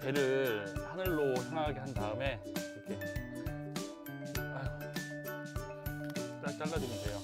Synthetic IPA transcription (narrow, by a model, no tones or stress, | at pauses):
t͡ɕeɾɯɭhanɯɭːosʰeŋɡaɡeɦandaɯme̞ | iɾʌkʰe | a | t͡ɕ͈ak̚t͡ɕ͈aɭːadwemindejo